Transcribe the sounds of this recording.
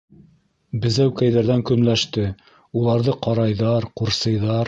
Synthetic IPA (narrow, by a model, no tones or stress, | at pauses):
bɘ̆zæwkæjðæɾðæŋkɵ̆nlæʃt̪ɘ | ulˠɑɾðɤqɑɾɑjðɑɾquɾsɤ̆jðɑɾ